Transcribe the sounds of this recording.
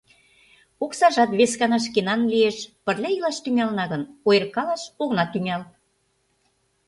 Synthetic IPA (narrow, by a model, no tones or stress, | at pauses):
oksɑʒɑt̪βeskɑnɑʃ̬kenɑnlieʃpərlʲæilɑʃt̪yŋælnɑɣə̆nojerkɑlɑʃoɣnɑt̪yŋæl